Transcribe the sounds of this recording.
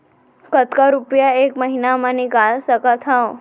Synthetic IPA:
kət̪kaɾupjaeːkməɦinamãnikalsəkat̪ʰao

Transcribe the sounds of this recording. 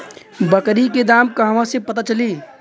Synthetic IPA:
bəkɾiked̪aːmkəɦʋãsepət̪at͡ʃəli

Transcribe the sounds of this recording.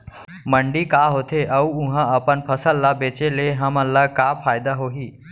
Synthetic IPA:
məɳɖikaɦot̪ʰeʔəuũɦãəpənpʰəsəlːabet͡ʃeleɦəməlːakapʰaːjd̪aɦoɦiː

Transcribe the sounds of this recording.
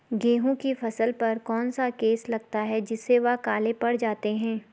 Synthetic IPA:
ɡeːɦõkifɐsəlpɐɾkɔːnsakeːslɐɡ̚t̪aɦɛd͡ʒɪsːeʋɐkaːlepɐɽ̤d͡ʒaːt̪eɦɛ̃ː

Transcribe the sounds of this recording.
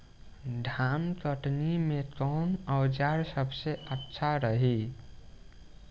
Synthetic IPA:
ɖʱamt̪əʈnimekɔwnəwd͡ʒaɾsəbʱseʔətːʃʰaɾəɦi

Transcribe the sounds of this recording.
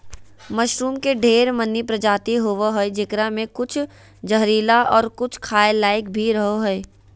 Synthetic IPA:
məʃɾuːmkeɖʱeːɾmənːipɾɐd͡ʒaːt̪iɦoːʋaɦoed͡ʒɪkɾamẽkʊt͡ʃʰ | d͡ʒəɦɾiːlaʔɔːɾkʊt͡ʃʰkʰaːelaːɪkbʱiɾɐɦoɦoe

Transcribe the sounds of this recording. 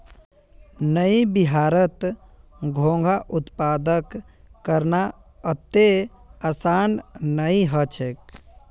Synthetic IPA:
nəibiɦaːɾət̪ | ɡʱõŋɡʱaʔʊt̪paːd̪əkː | əɾna | ət̪e | əsaːnnəiɦət͡ʃʰek̚

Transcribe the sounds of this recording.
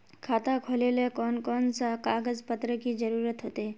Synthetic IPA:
kʰaːt̪akʰoːlelekɔːnkɔːnsakaːɡəzpət̪ɾəkid͡ʒəɾuːɾət̪ɦoːt̪eː

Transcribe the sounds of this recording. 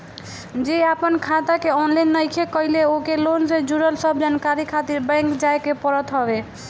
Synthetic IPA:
d͡ʒiapənkʰat̪akeɔnlajnːəjkʰekɔileokelonsed͡ʒuɾəlsəbd͡ʒankaɾikʰat̪iɾbɛ̃ŋkd͡ʒajkepɔɾɔt̪ɦɔbe

